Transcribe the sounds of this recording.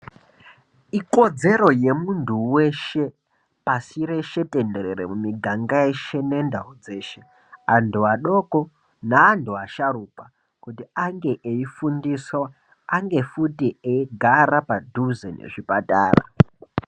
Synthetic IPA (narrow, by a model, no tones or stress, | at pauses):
iko̞d͡ze̞ɾo̞je̞muntʰuwe̞ʃe̞ | pasiɾe̞ʃe̞tʼendeɾeɾemumiɡʱaŋɡaeʃe̞ne̞ndaud͡ze̞ːʃe̞ | anduaɗo̞ko̞ | naːndʱuaʃaɾuːpa | kutiaŋɡe̞ʔeifundiswaː | ŋɡe̞futieiɡʱaɾapadʱuzenḛʐipatʼa̰ːra̰